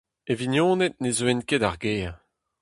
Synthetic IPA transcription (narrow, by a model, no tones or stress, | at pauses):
evinjɔ̃ːnet̪̚nezwɛnkedaʁɡeː